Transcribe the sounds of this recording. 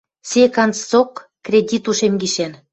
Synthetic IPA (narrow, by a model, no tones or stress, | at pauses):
sʲekɑnt͡st͡sokː | rʲedʲit̪uʃemɡiʃen